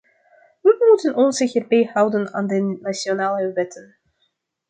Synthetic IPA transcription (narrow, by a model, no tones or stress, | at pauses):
ʋəmutənɔnzɪxərbejhɑwdənaːndəːasjonaːlˠəøvɛtʰən